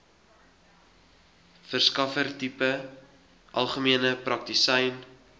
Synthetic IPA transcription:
fərskɐfərtipə | ʔɐlˠχəmiənəprɐk̚tisɛjn

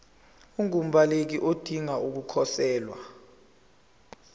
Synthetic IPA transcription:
uŋum̩balek̬iʔod̥ʱiŋaʔuk̬ukʰɔsɛːlwa

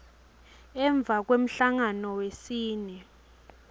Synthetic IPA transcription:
ɛɱb̪vʱak̬wem̩ɬaŋanɔwesiːnɛ

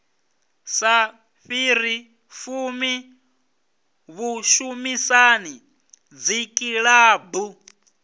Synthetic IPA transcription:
sa | ɸiɾi | fumi | βuʃumisani | d͡zikʼiɺaːbu

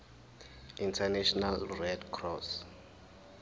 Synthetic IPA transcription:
intʰanɛʃɔnalrɛdkʰrɔs

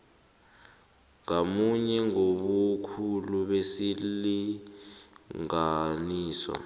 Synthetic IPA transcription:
ŋamuɲɛŋoɓukʰuluɓesili | ŋaniːswa̰

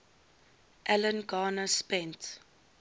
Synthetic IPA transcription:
ʔælənɡɑːnəspɛnt

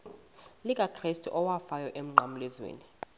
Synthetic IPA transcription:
lik̬ʼaǃʰristʰʼɔʔɔwafajɔʔem̩ŋ͡ǀʱamulɛzwḛːni

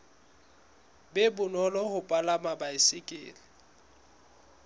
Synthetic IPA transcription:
bɛbʊnɔlɔhʊpʼalamabaɪsɪkʼɪ̰ːlɪ

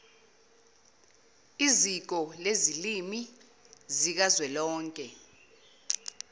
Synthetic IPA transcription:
izik̬ɔlezilimi | zik̬azwɛlɔːŋkʼɛ

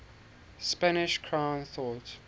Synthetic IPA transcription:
spanɪʃkʰɹãʊ̃nθɔt

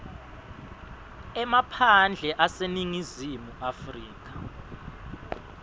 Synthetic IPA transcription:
ɛmapʰand͡ɮʱɛʔaseniŋizimuʔafriːk̬ḁ

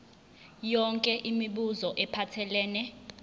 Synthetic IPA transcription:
jɔŋkʼɛʔimiɓuzɔʔɛpʰatʰɛlɛːnɛ

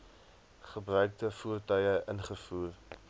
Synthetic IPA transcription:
χəbrœɥk̚dəfuərtœjəʔənχəfuːr

